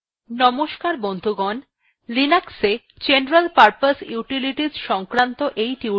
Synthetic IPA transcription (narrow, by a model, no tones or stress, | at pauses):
nɔmoʃkaɾbond̪ʱuɡɔn | linakse | d͡ʑenɾalpaɾpasjuʈiliʈid͡ʑʃɔŋkɾant̪oʔejʈi